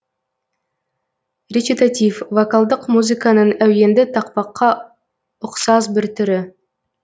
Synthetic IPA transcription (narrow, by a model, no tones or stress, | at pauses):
rʲet͡ʃit̪at̪ʲifvokalˠd̪əqmuzɨkanəɴæwje̞nd̪ɪt̪ʰɑq̚pɑqːɑ | ʊqsɑzbɪɾt̪ʰʏɾɪ